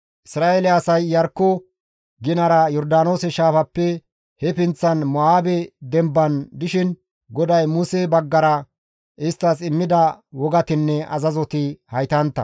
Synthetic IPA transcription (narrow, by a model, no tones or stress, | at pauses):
ʔɪsɾaːelɛɐsɐjːɐɾkːʊ | ɡɪnɐɾɐjɔɾd̪aːno̞ːsɛʃaːfɐpːɛ | hɛpɪnt͡sːɐnmɔaːbɛd̪ɛmbːɐnd̪ɪʃɪn | ɡɔd̪ɐjmuːsebɐɡːɐɾɐ | ɪst̪ːɐs̬ɪmːɪd̪ɐwɔɡɐt̪ɪnːɛʔɐ̰zɐzɔt̪ɪhɐjt̪ɐnt̪ːɐ̰